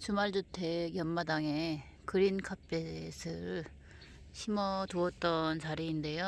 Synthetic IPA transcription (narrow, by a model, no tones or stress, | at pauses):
t͡ɕumaɭd͡ʑutʰe̞jʌnmadaŋe̞ | kɯɾinkʰap͈esʰɯɾ | ɕʰimʌtuʌt̚t͈ʌnt͡ɕaɾiːnde̞jo